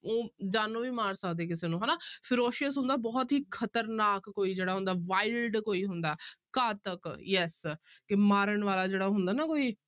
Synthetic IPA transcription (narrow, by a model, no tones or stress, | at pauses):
oːd͡ʒaːnũːʋiːmaːɾsəkd̪eːkɪseːnũːɦɛːnaːpʰɪɾoːʃəsɦʊ̃nd̪aːbɔːt̪ɦiːkʰət̪əɾnaːkːoːiːd͡ʒeːɽaːɦʊ̃nd̪aːʋaːɪlɖkoːiːɦʊnd̪aːkaːt̪əkjɛskɪmaːɾəɳʋaːlaːd͡ʒeːɽaːɦʊnd̪aːnaːkoːiː